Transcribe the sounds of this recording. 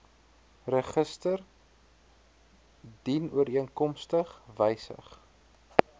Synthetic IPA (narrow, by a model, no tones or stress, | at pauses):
rəχəstər | dinuəɾiənkɔmstəχvɛjsə̰χ